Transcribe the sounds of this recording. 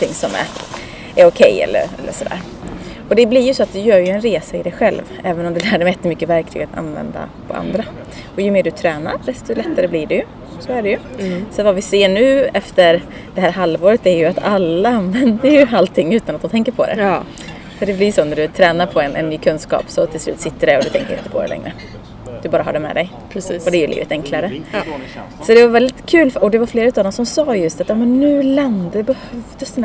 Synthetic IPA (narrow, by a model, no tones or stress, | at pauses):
t̪ɪŋːsɔmæ̰ɾ | æɾʊkʰɛjɛ̰lːə̰ɾɛ̰lːə̰ʂɔd̪æ̰ːɾ | ɔd̪ɛblɪɾjɵsɔat̪̚d̪ɵjœːɾjɵɛnɾeːsaɪd̪ɛjɧɛlvʔɛːvənɔmd̪ɛlæːɖəɾmɛɛt̪ːəmʏkːəvæɾk̚t̪ʰy̰ːɡat̪ʰa̰nvɛ̰nd̪a̰pʰɔ̰ʔa̰nd̪ɾa | ɔjɵmeːɖɵt̪ʰɾɛːna̰ɾd̪ɛst̪ʊlɛt̪ːaɾəblɪɖɛj | sɔæɖɛjɵsɔvavɪseːɳʉ̟ːɛft̪əɾ | d̥̪ɛɦæːɾɦalːvoːɾət̪æɾjɵat̪ʰalːaanvɛnd̪əjɵalt̪ʰɪŋːʉ̟ːt̪anat̪̚ʊmnt̪ɛŋkːəɾpʰɔd̪ɛ̰ | fœɖɛblɪɾjsonːæɖɵt̪ʰɾɛːnaɾpʰɔɛnʔɛ̰nːyːkʰɵnskɑ̰ːpsɔt̪ʰɪlslʉ̰ːt̪sɪt̪ːəɖɛɔd̪ɵt̪ɛ̰ŋkːəɾɪ̰t̪ə̥pʰɔd̪ɛ̰lɛ̰ŋːɾə̰ | d̪̥ɵbɑːɾaɦɑ̰ːɖɛmɛ̰d̪ɛj | ɔd̪ɛjɵlʔḭːvət̪ɛŋkʰlaɾə | sɔd̪ɛvaɾvɛld̪ɪt̪kʰʉ̟ːlfɔd̪ɛvaɾfleːɾaʉ̟t̪ɑːvd̪ɔmsɔmsɑːjɵst̪at̪jɑːmɛnːʉ̟ːland̪əbɛhœvd̪əsd̪ɛn